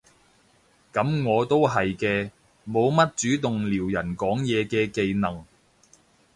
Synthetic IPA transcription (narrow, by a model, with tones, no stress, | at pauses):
kɐ˨˥mŋɔː˨˧t̪o˥wɦɐ˨jkɛː˧ | mo˨˧wmɐ˥t̚t͡syː˨˥t̪ʊ˨ŋliː˨˩wjɐ˨˩nkɔː˨˥ŋjɛː˨˧kɛː˧ke˨jnɐ˨˩ŋ